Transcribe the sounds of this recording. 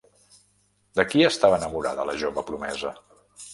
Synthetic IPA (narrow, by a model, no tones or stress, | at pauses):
d̪əkiəst̪aβənəmuɾa̰ðələʒoβəpɾumɛzə